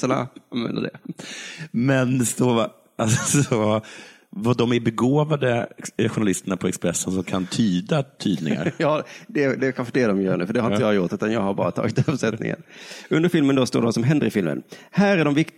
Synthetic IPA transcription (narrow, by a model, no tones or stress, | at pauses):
əɳa̰anvɛ̰nd̪ə̰d̪ɛ̰ | mɛnsɔ | asɔ | vaɖɔmæbɛɡoːvad̪əɧʊnɳalɪst̪əɳapʰɔɛkspɾɛsːənsɔmkʰant̪ʰyːd̪at̪ʰyːd̪nɪ̰ŋŋa̰ɾjɑːd̪ɛd̪ɛkʰanfəɖɛd̪ɔmjœːɾɳʉ̟ːfəɖɛhaɾɪəjɑːjʊʈːʉːt̪anjɑːɡhaɾbɑ̰ːɾat̪ʰɑ̰ːɡɪt̪œpsɛt̪nɪ̰ŋə̰nɵnd̪əɾfɪlmənd̪ost̪oːɖɛvasɔmɦɛnd̪əɾɪfɪlmə̰nhæːɾæɖɔmvɪk̪